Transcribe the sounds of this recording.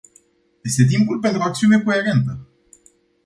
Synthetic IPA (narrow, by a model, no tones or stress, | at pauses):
je̞st̪e̞t̪̬impulpe̞nt̪ɾuakt̪siune̞ko̞e̞ɾe̞nt̪ə